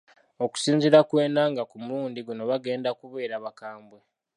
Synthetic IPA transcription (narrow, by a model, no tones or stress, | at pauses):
o̞ku̥siːnziɾakwe̞ːnaŋɡakumuɾuːndiɡuno̞βaɡe̞ːndakuβe̞ːɾaβakaːmbwe